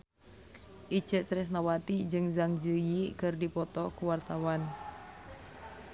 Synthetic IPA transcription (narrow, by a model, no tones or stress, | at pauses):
ʔi̥t͡ʃəʔt͡ʃ̪ɾɛs̬nawat̪id͡ʒɨŋzaŋd͡ʒəjikɨrdipɔt̪ɔkuwart̪awan